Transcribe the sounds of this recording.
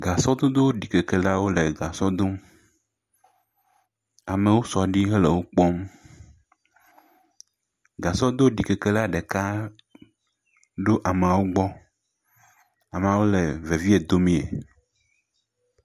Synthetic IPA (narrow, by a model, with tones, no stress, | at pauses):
ɡa˨sɔ˦d̪o˦d̪o˦wɖi˨ke˨ke˨la˦wo˦le˨ɡa˨sɔ˦d̪o˦m | a˨me˨wo˦sɔ˨a˨ɖi˦ɦe˦le˨wo˦k͡pɔ˦m | ɡa˨sɔ˦d̪o˦ɖi˨ke˨ke˦la˦ɖe˨ka˦ | ɖo˦ʔa˨me˨a˨wo˦ɡ͡bɔ˦ | a˨me˨a˨wo˦le˨ve˨vi˦e˨d̪o˦mĩ˦ḛ˨